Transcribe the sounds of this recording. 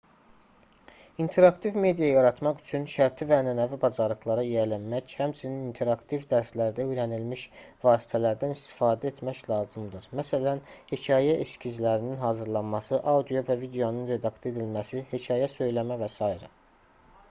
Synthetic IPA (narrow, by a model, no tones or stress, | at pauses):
int̪ʰe̞ɾɑkt̪ʰivme̞d̪ijɑjɑɾɑt̪mɑχy̥t͡ʃʰynʃæɾt̪ʰivæːnænævibɑzɑɾlˠɯxlˠɑɾɑijælænmæchæmt͡ʃʰininint̪ʰe̞ɾɑkt̪ʰivd̪æɾslæɾd̪æøjɾænilmiʃvɑːsi̥t̪ʰælæɾd̪ænist̪i̥fɑːd̪æe̞t̪ʰmæclˠɑːzɯmd̪ɯɾmæsælænhecʰɑːjæʔescʰizlæɾininɦɑːzɯɾlˠɑnmɑsɯʔɑwd̪ijo̞vævid̪eo̞nunɾe̞d̪ɑkse̞d̪ilmæsihecʰɑːjæsø̞jlæmævæsɑiɾɑ